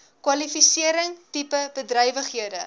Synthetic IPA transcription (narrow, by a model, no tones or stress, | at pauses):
kwɐlifisiəɾəŋtipəbədrɛjvəχɦiədə